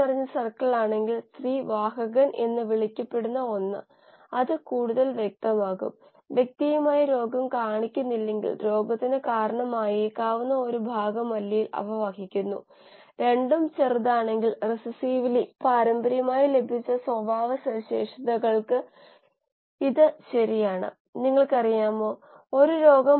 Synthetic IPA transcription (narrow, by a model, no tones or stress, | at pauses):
pɐrɐɲːɐsɐrkɐɭaːɳe̞ŋɡiɭsriːʋaːɦɐɣɐnʔḛnːɨʋiɭikʲːɐpːe̞ɽunːɐo̞nːɨ̰ | ɐðɨkuːɽuðɐlʋjek̚t̪ɐmaːɣṵm | ʋjek̚t̪ijɐmaːjɐɾo̞ːɡɐmkaːɳikʲːunːilːe̞ŋɡḭɭɾo̞ːɡɐt̪ːinɨkaːɾɐɳɐmaːjeːkːaːʋunːɐo̞ɾubʱaːɡɐmɐlːɐjilɐ̰ʋɐʋaːɦikʲːunːṵ | ɾe̞ɳɖumt͡ɕerðaːɳe̞ŋɡilresɨsiːʋilipaːɾɐmbɐɾjɐmaːjile̞bʱit͡ɕːɐswɐbʱaːʋɐsɐɕeːʂɐðɐɣɐɭkɨ | iðɨɕɐɾijaːɳɨ̰ | niŋːɐɭkɐrijaːmoː | oɾuɾo̞ːɡɐm